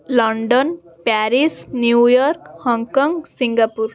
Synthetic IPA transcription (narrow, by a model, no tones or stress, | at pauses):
lɔɳɖɔnpaɾisnjujɔɾkhɔŋkɔŋɡsiŋɡapuɾ